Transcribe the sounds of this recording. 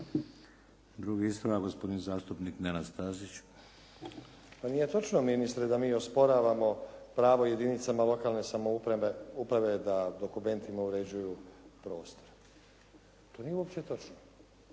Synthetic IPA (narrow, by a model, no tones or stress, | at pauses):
d̪ɾuɡiist̪ɾoaɡospo̞d̪inizaːst̪upniknenast̪azit͡ɕ | panije̞t̪o̞t͡ʃnominist̪ɾed̪amiːo̞spo̞ɾaːʋamo̞pɾaːʋo̞je̞d̪init̪samalo̞kaːlˠne̞samo̞uɾeeupɾaʋe̞d̪ad̪o̞kume̞nt̪ʰimauɾe̞d͡ʑujupɾo̞ːst̪o̞ɾ | t̪o̞ːnijeuopʃt̪e̞t̪o̞t͡ʃno